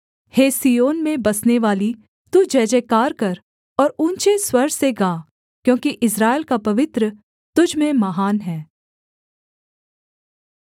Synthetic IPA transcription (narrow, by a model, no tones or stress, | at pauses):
heːsiːjoːnmẽbɐsneʋaːli | t̪uːd͡ʒɛːd͡ʒeːkaːɾkɐɾ | ɔːɾũːnt͡ʃeswɐɾɖseɡaː | kjõːkiʔɪsɾaːɪlkapɐʋɪt̪ɾə | t̪ʊd͡ʒʱmẽmɐɦaːnɦɛː